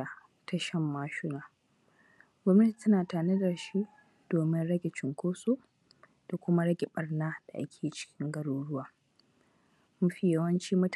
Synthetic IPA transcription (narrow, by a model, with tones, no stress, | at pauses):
a˨ | tɐ˦ʃɐ˦mːaː˦ʃʊ˦naː˨ | ɡʷɔ˦mnɐ˦ti̥˨tɐ˦naː˨taː˨nɪ˦dɐ˨rʃi˦ | d̥oː˨mɪ˦nɽɐ˦ɡʲɪ˨t͡ʃɪ˨ŋkʷoː˦soː˦ | d̥a˨kʷʊ˦ma˦ɽɐ˦ɡʲɛ˨ɓɐ˨rnaː˦d̥a˨ʔa̰˦kʲʰeː˨t͡ʃɪ̥˦kʲʰɪ˦ŋɡɐ˦ɽoː˦ɽʊ˦waː˨ | mʊ˦ɸi˦jɐ˦wɐ˦nt͡ʃiː˦mʊ˦t